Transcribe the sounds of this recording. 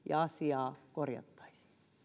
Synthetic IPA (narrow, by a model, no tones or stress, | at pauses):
jɑ̰ɑsiɑːkorjɑ̰t̪ːɑ̥isi̥ː